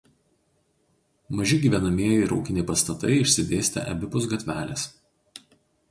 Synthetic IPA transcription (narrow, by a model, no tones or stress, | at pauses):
mɐʒʲɪɡʲiːʋʲɛnɐmʲiɛjɪɾɒ̰ʊkʲɪnʲɛɪpɐst̪ɐt̪ɐ̰ɪɪʃʲsʲɪd̪ʲeːsʲt̪ʲɛ̰ʔɐ̰bʲɪpʊs̬ɡɐt̪ʲʋʲæːlʲḛs